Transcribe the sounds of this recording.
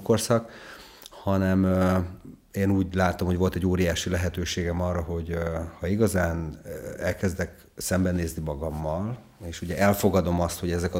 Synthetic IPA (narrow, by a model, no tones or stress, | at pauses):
korsɒk | hɒnɛmø | eːnuːɟlaːt̪o̞mhoɟʋo̞lt̪ɛɟːoːɾijaːʃilɛɦɛt̪øːʃeːɡɛmɒrːɒɦo̞ɟhɒiɡɒzaːnɛlkɛzd̪ɛk | sɛmbɛneːznimɒɡɒmːɒl | eːʃuɟɛʔɛlfo̞ɡɒd̪o̞mɒst̪ho̞ɟɛzɛk